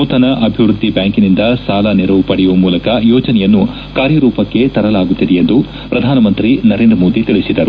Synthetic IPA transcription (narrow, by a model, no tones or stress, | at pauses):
uːt̪ɐnɐʔɐbʱiʋɾud̪ʱːibjaːŋkinind̪ɐsaːlɐniɾɐʋupɐɽɛjuʋɐmuːlɐkɐjɔːd͡ʒɐnɛjɐnːu | kaːɾjɐɾuːpɐkːe̞t̪ɐɾɐlaːɡut̪ːid̪ejend̪u | pɾɐd̪ʱaːnɐmɐnt̪ɾinɐɾe̞ːnd̪ɾɐmo̞ːd̪it̪iɭisid̪ɐɾu